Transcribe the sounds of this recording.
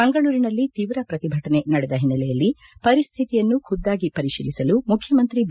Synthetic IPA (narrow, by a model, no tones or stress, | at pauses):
ɐŋɡɐɭuːɾinɐlːit̪iʋɾɐpɾɐt̪ibʱɐʈɐne̞nɐɽɛd̪ɐɦinːɐlɛjɐlːi | pɐɾist̪ʰit̪ijɐnːukʰud̪ːaːɡipɐɾiʃḭːlisɐlumukʰːjɐmɐnt̪ɾib